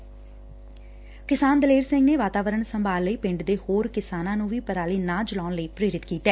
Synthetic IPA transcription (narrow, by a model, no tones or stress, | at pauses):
kɪsaːnd̪əleːɾsɪ̃ŋɡneːʋaːt̪aːʋəɾəɳsəmbaːlːəiːpɪ̃ɳɖd̪eːhoːɾkɪsaːnãːnũːʋiːpəɾaːliːnãːd͡ʒəlaːʊnləiːpɾeːɾɪt̪kiːt̪ɛː